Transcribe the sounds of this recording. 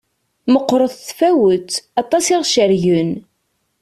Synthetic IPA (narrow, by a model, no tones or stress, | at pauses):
məqːɾˤəðˤθfæwət̪ɑt̪ˤɑsiʁʃəɾʝən